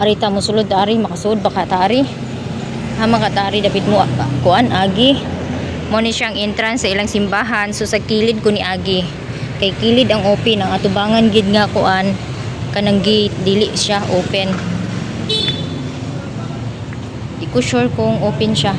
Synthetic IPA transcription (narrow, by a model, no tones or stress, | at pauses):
ʔaɾit̪amʊsʊlʊd̪̚aːɾɪmɐkɐsʊod̪̚bakat̪aːɾɪ | ʔamakat̪aːɾɪd̪apɪt̪̚moʔaʔakʊʔanʔaːɡɪ | monɪʃaʔːŋʔɛnt̪ɾansɐʔɪlaŋsɪmbaːɦansosɐkiːlɪd̪̚konɪʔaːɡɪ | kɐjkiːlɪd̪ɐŋʔoːpɪnɐŋɐt̪ʊbaːŋɐnɡɪd̪̚ŋakʊʔan | kɐnɐŋɡɪd̪iːlɪʔʃaʔoːpɛn | d̪ɪkʊʃʊɹkʊŋʔoːpɪnʃa